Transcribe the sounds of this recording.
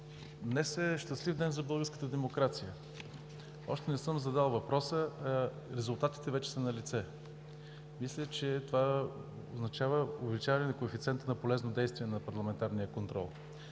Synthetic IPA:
d̪nɛsɛʃt̪ɐslivd̪ɛnzɐbɤlˠɡəɾskət̪əd̪ɛmokɾat̪sijə | ɔ̰ʃt̪ɛnɛsɤmzɐd̪alˠvɐpɾɔsə | ɾɛzʊlˠt̪at̪i̥t̪ɛvɛt͡ʃɛ̥sɐnɐlit̪sɛ | mislʲət͡ʃɛt̪ova | oznɐt͡ʃavəʊvɛlit͡ʃavɐnɛnɐkoɛfit̪sɛnt̪ənɐpolɛznod̪ɛjst̪viɛnɐpɐɾlˠɐmɛnt̪aɾnijəkont̪ɾɔ̰lˠ

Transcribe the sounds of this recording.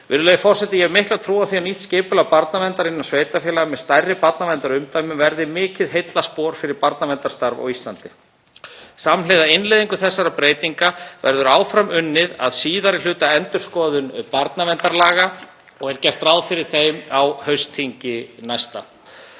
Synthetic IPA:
vɪ̰ɾʏlœːjʏfɔr̥sɛt̪ɪjɛɣmɪhklat̪ʰɾuːawθiawniht̪scɪːpʏlapaɾt̪navɛnt̪aɾɪnːansveːjt̪afɛlaɣamɛðst̪ajrːɪpaɾt̪navɛnt̪aɾʏmt̪aːjmɪmvɛɾðɪmɪːcɪðɦejt̪laspɔːɾ̥fɪɾɪɾpaɾt̪navɛnt̪aɾ̥st̪aɾva̰wist̪lant̪ɪ | samlejðaɪnlejðiŋkʏθɛsːaɾapɾeːjt̪iŋkavɛ̰ɾðʏɾaːwfɾamʏnːɪða̰ðsiːðaɾɪl̥ʏːt̪aɛnt̪ʏɾ̥skɔːðʏnpaɾt̪navɛnt̪aɾlaːɣa | ɔɣɛɾ̥cɛr̥t̪ɾawðfɪɾɪɾ̥θejmawhœɥst̪ʰiɲcɪnajst̪a̰

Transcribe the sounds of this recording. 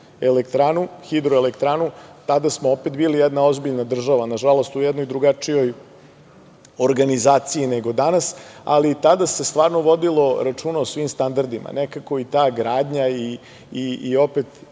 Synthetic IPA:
e̞lekt̪ɾaːnuxid̪ɾoelekt̪ɾanut̪ad̪asmoo̞pet̪biːlijɛd̪nao̞zbiʎnad̪r̩ʒaʋanaʒalo̞st̪ujɛd̪nojd̪ɾuɡat͡ʂijo̞j | o̞ɾɡanizaːt̪sijineɡo̞d̪anasa̰lit̪ad̪ase̞st̪ʋaːɾno̞ʋo̞d̪ilo̞ɾat͡ʂuːnaosʋimst̪and̪aɾd̪ima̰nekako̞it̪aːɡɾaːd̪ɲaiː | io̞pet̪

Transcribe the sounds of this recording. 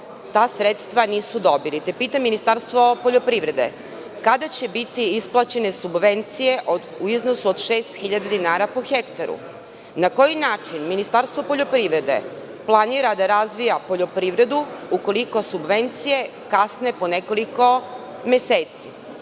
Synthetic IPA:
t̪aːsɾet̪st̪ʋaniːsud̪o̞bilit̪e̞piːt̪amːinist̪aɾst̪ʋo̞po̞ʎo̞pɾiːʋɾe̞d̪e̞̰ | kad̪at͡ɕe̞bit̪iisplˠat͡ɕe̞ne̞subʋe̞nt̪sije̞ʔo | uiznosuod̪ʃe̞ːst̪xiʎad̪ad̪inaːɾapoxekt̪aɾṵ | nako̞jinaːt͡ʃinminist̪aɾst̪ʋo̞poʎo̞pɾiʋɾe̞d̪e̞̰ | plˠaniːɾad̪aɾazʋijapoʎo̞pɾiːʋɾe̞d̪uuko̞liko̞subʋe̞nt̪sije̞ | kasne̞po̞neko̞liko̞ | mjeseːt̪si

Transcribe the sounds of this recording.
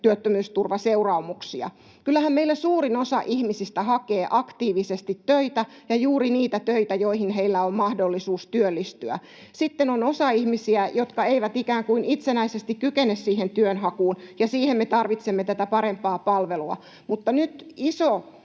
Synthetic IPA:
t̪yøt̪ːømyːst̪urʋɑseurɑumuksiɑ̰ | kylˑːæhæmmeilːæsuːrinosɑ̰ʔihmisist̪æhɑkeːʔɑkt̪iːʋisest̪it̪tøit̪æ | jɑjuːriniːt̪æt̪øit̪æjoihinɦeilːæommɑhdolːisuːst̪yølːist̪yæ̰ | sit̪ːenonosɑihmisiæjot̪kɑeiʋæt̪ikæːŋkuinit̪senæisest̪ikkykenːessiːhent̪yønhɑkuːnjɑsiːhemmet̪ɑrʋit̪semːet̪æt̪æpɑɾempɑːpɑlʋeluɑ̰ | mut̪ːɑnyt̪iso

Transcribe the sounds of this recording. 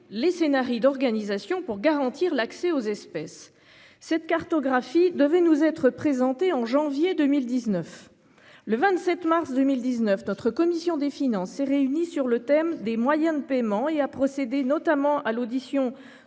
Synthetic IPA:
lesenaʁid̪ɔʁɡanizasjɔ̃puʁɡaʁɑ̃t̪iʁlaksɛozɛspɛsː | ɛt̪kaʁt̪ɔɡʁafid̪əvɛnuzɛt̪χəpχezɑ̃t̪eɑ̃ʒɑ̃vjed̪ømild̪iznœf | ləvɛ̃t̪sɛt̪maʁsd̪ømild̪iznœfnɔt̪χəkɔmisjɔ̃d̪efinɑ̃sːɛʁeynisyʁlət̪ɛmd̪emwajɛ̃d̪əpɛmɑ̃eapχɔsed̪enɔt̪amɑ̃ʔalod̪isjɔ̃

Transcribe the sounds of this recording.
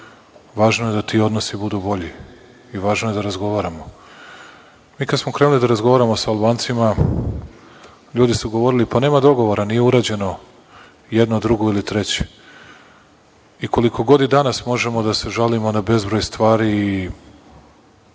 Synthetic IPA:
ʋaːʒnoje̞d̪at̪iːo̞d̪nosibud̪ubo̞ʎi | iʋaːʒnoje̞d̪aɾazɡo̞ʋaːɾamo̞ | miːkad̪smo̞kɾenulid̪aɾazɡo̞ʋaːɾamo̞saːlˠbaːnt̪sima | ʎuːd̪isuɡoʋo̞ɾilipane̞ːmad̪o̞ɡo̞ʋo̞ɾanijeuɾaːd͡ʑe̞no̞ | je̞d̪nod̪ɾuɡoilit̪ɾe̞t͡ɕe̥ | iko̞likʰo̞ɡo̞d̪id̪anasmo̞ʒe̞mo̞d̪ase̞ʒalimo̞nabe̞zbɾojst̪ʋaːɾiː

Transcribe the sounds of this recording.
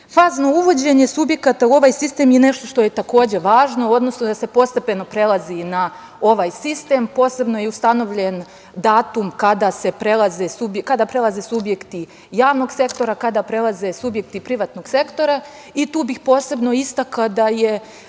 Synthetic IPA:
faːzno̞uʋo̞d͡ʑe̞ɲe̞subje̞kat̪auo̞ʋaːjsist̪e̞ːmjene̞ʃt̪o̞ʃt̪o̞je̞t̪ako̞ːd͡ʑe̞ʋaːʒno̞o̞d̪no̞snod̪ase̞po̞st̪e̞pe̞no̞pɾe̞lˠazina | o̞ʋaːjsist̪e̞mpo̞ːse̞bno̞jeust̪ano̞ʋʎe̞n | d̪aːt̪umkad̪ase̞pɾe̞lˠaze̞subjkad̪apɾelˠaze̞subje̞kt̪i | jaːʋno̞ɡse̞kt̪o̞ɾakad̪apɾe̞lˠaze̞subje̞k̚t̪ipɾiʋaːt̪no̞ɡ̥se̞kt̪o̞ɾa | it̪uːbixpo̞ːse̞bno̞ist̪akad̪aje

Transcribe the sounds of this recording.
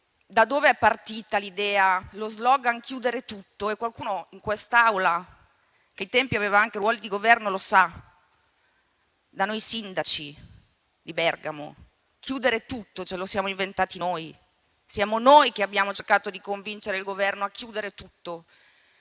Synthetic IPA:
d̪ad̪oːveɛpːart̪iːt̪alid̪ɛːalozlɔːɡaŋkjuːd̪eɾet̪ut̪ːoekːwalkuːnoiŋkwest̪awla | k̟eit̪ɛmpiaveːvaaŋkerwɔːlid̪iɡovɛrnolosa | d̪anojsind̪at͡ʃi | d̪ibɛrɡamo̰ | kʰjuːd̪eɾet̪ut̪ːot͡ʃɛlosjaːmoiɱvent̪aːt̪inoːj | sjaːmonojkeabːjaːmot͡ʃerkaːt̪od̪ikoɱvint͡ʃeɾeilɡovɛrnoakːjuːd̪eɾet̪ut̪ːo

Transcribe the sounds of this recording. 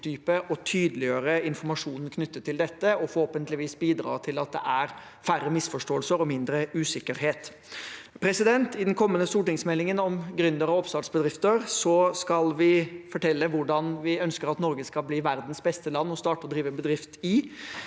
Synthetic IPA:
t̪ʰyːpəʔɔt̪ʰyːd̪əlɪøːɾəɪnfɔɾmɑʂuːnn̩kʰnʏt̪ːət̪ʰːɪld̪ɛt̪ːəɔfɔɾhoːpənt̪lɪʋiːsbiːd̪ɾɑ̰ːt̪ʰɪlɑt̪̚d̪ɛ̰ʔæɾ | fæɾəmɪsfɔʂʈoːlsəɾɔmɪnd̪ɾəʉːsɪkːəɾɦeːt̪ | pʰɾɛsɪd̪ɛnt̪ɪd̪ɛnkʰɔmːənəst̪uːʈɪŋsmɛlːɪŋənɔmɡɾʉnd̪əɾɑɔpsɑːʈsbəd̪ɾɪft̪əɾsɔskɑlʋɪfɔʈʰɛlːəʋʊɖɑnʋɪœnskəɾɑt̪nɔɾɡəskɑlbliːʋæɾd̪n̩sbɛst̪əlɑnːɔst̪ɑːʈəɔd̪ɾiːʋəbəd̪ɾɪft̪ɪ

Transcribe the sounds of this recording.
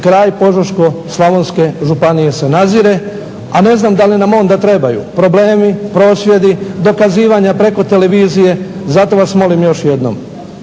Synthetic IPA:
kɾaːjpo̞ʒoʃko̞slˠaʋonske̞ʒupanije̞se̞naziɾe̞ | ane̞znamd̪alinamo̞ːnd̪at̪ɾe̞bajṵpɾo̞ble̞ːmipɾoːsʋje̞d̪id̪o̞kaziːʋaɲapɾe̞ko̞t̪e̞le̞ʋiːzije̞zat̪o̞ʋasmo̞limjo̞ʃje̞d̪no̰m

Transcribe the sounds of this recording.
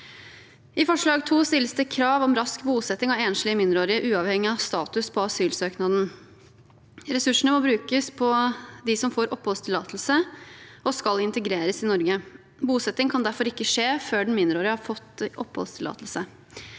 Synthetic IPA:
ʔɪfɔʂɭɑːɡt̪ʰuːst̪ɪlːəsd̪əkʰɾɑːʋɔmɾɑskbuːsɛt̪ːɪŋɑʋeːnʂɭɪəmɪnd̪ɾoːɾɪəʔʉːɑʋhɛŋːɪɑʋst̪ɑːt̪ʉspʰɔɑsyːlsøːknɑd̪n̩ | ɾɛsʉʂəɳəmɔbɾʉːkəspʰɔd̪ɪsɔmfoːɾʔɔpːhɔlst̪ʰɪlɑːt̪lsəɔskɑlɪnt̪əɡɾeːɾəsɪnɔɾɡə | buːsɛt̪ːɪŋkʰɑnd̪æɾfɔɾɪkːəʂeːføːɖɛn̩mɪnd̪ɾoːɾɪəhɑɾfɔt̪ːʔɔpːhɔ̰lst̪ʰɪlɑ̰ːt̪əlsə

